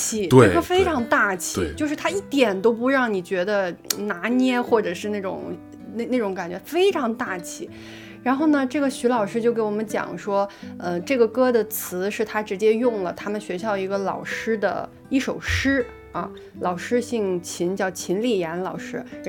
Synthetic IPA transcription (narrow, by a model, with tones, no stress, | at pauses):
t͡ɕʰi˨˩t̪ə˥˩ɡə˧˩fe˥ɪʈ͡ʂʰɑ˧˥ŋt̪a˥˩t͡ɕʰi˨˩˧t͡ɕjo˥˧ʊʂɻ̩˥˩t̪ʰa˥i˥˩t̪jɛ˨˩nt̪o˥ʊpu˧˥ɻɑ˥˩ŋni˨˩t͡ɕɥɛ˧˥d̪ə˧na˧˥njɛ˥˧xwɔ˥˩ʈ͡ʂɤ˨˩ʂɻ̩˥˧na˥˩ʈ͡ʂʊ̰˨˩ŋ | ne˥˧na˥˩ʈ͡ʂʊ˧˥ŋka˨˩nt͡ɕɥɛ˧˥fe˥ɪʈ͡ʂʰɑ˧˥ŋt̪a˥˩t͡ɕʰḭ˨˩˦ | ɻa˧˥nxo˥˩ʊnə˩ʈ͡ʂɤ˥˩ɡə˩ɕy˧˥lɑ˨˩ʊʂɻ̩˥t͡ɕjo˥˩ʊke˧˥ɪwɔ˨˩mə˦nt͡ɕjɑ̰˨˩˦ŋʂwɔ˥ə˧ʈ͡ʂɤ˥˩ɡə˩kɤ˥d̪ə˨t͡sʰɹ̩˧˥ʂɻ̩˥˩t̪ʰa˥ʈ͡ʂɻ̩˧˥t͡ɕjɛ˥jʊ˥˩ŋlə˩t̪ʰa˥mə˨nɕɥɛ˧˥ɕjɑ˥˩ʊi˧˥ɡə˧lɑ̰˨˩ʊʂɻ̩˥d̪ə̰˨ | i˥˩ʂo˨˩ʊʂɻ̩˥ | ɐ̰˥˧ | lɑ˨˩ʊʂɻ̩˥ɕi˥˩ŋt͡ɕʰi˧˥nt͡ɕjɑ˥˩ʊt͡ɕʰi˧˥nli˨˩jɛ˧˥nlɑ˨˩ʊʂɻ̩˥